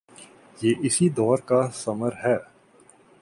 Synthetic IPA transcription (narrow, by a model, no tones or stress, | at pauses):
jeːʔɪsid̪ɔːɾkasɐməɾɦɛː